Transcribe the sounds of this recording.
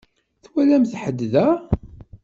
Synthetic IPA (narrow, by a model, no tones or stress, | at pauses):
θwælæmθħəd̪ːðæ